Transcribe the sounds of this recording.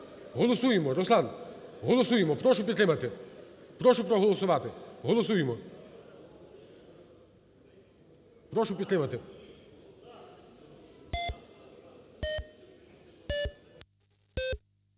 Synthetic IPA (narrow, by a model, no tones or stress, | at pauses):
ɦɔlˠɔsujɪmɔɾɔslˠanɦɔlˠɔsujɪmɔpɾɔʃʊpʲit̪ɾɪmɐt̪ɪpɾɔʃʊpɾɔɦɔlˠɔsʊʋat̪ɪɦɔlˠɔsujɪmɔ | pɾɔʃʊp̬ʲit̪ɾɪmɐt̪ɪ